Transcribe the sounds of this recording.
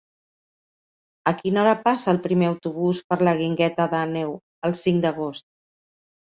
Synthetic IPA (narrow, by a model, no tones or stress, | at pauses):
əkinaɾapasəːlˠpɾimeəwt̪uβ̞uspəɾləɣiŋɡɛt̪əðanɛw | əlˠsiŋd̪əɣ̞ost̪̚